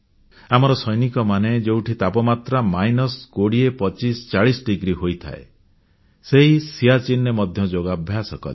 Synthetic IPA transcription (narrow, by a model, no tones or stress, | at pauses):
amɔɾɔsɔjnikɔmaned͡ʒewʈʰit̪apɔmat̪ɾamajnɔskoɽiepɔt͡ʃisɔ̥t͡ʃaɭisɖiɡɾiɦojt̪ʰa̰ḛ | seɦisiat͡ʃinːemɔd̪ʱjɔd͡ʒoɡabʱjasɔkɔ̰le